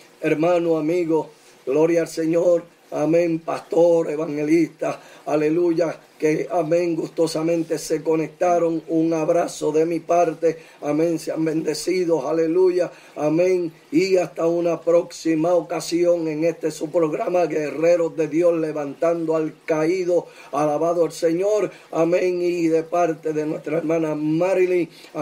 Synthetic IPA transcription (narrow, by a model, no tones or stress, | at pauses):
e̞ɾmãnoamiɣo̞ | ɡlo̞ɾjalse̞ɲoɾ | amẽ̞mpast̪o̞ɾe̞βaŋhe̞list̪aale̞luʝakeamẽ̞ŋɡust̪o̞samẽ̞nt̪e̞se̞ko̞ne̞k̚t̪aɾo̞ŋuŋaβɾaso̞ðe̞mipaɾt̪e̞ | amẽ̞nseambẽ̞nd̪e̞siðo̞sale̞luʝaː | mẽ̞ŋ | iast̪aunapɾo̞ksimaokasjo̞ŋe̞ŋe̞st̪e̞supɾo̞ɣɾamaɣere̞ɾo̞zðe̞ðjo̞sle̞βant̪and̪oalkaiðo̞ | alaβaðoelse̞ɲo̞ɾ | amẽŋiðe̞paɾt̪e̞ðe̞nwe̞st̪ɾaeɾmãnamaɾili